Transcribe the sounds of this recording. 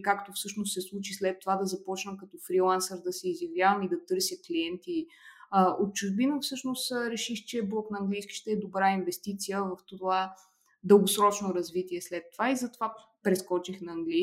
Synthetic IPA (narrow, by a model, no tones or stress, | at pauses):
kakt̪ofsɤʃnost̪sɛslˠut͡ʃislɛt̪ːovad̪ɐzɐpɔt͡ʃnəmkɐt̪ɔfɾilˠansəɾd̪ɐsɛːzjɐvjavɐmid̪ɐt̪ɤɾsʲjəkliɛnt̪i | əot̪̚t͡ʃuʒbinəfsɤʃnost̪ɾɛʃixt͡ʃɛblˠɔknɐːŋɡlijskʲi̥ʃt̪ɛɛd̪obɾainvɛst̪it̪sijəvɐft̪ova | d̪əlˠɡosɾɔt͡ʃnoɾɐzvit̪iɛslɛt̪ːovaizɐt̪ova | pɾɛskɔt͡ʃixnɐːŋɡli